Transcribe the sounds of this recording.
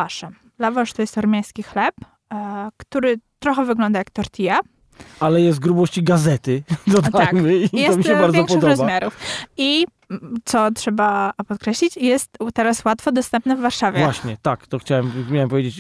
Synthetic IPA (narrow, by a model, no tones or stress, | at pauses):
aʂɛm | lavaʂt̪ɔjɛst̪ɔɾmʲjaj̃skʲixlɛp | kt̪uɾɘt̪ɾɔxɛvɘɡlɔnd̪ajakt̪ɔɾt̪ʲʰija | alɛjɛst̪̚ɡɾubɔɕt͡ɕiɡazɛt̪ɘd̪ɔd̪aakjmɘiɛsɔmʲiɕɛbaɾzvɔkpkɔdɨxɔɾɔzbamʲjaɾufi | t̪sɔtʂɛbapɔt̪kɾɛɕlʲit͡ɕjɛst̪t̪ɛɾaswat̪fɔd̪ɔst̪ɛmpnɛvːaɾʂavʲjɛvwaɕɲɛt̪akt̪ɔxt͡ɕawɛmmʲjawɛmpɔvʲjed͡ʑet͡ɕ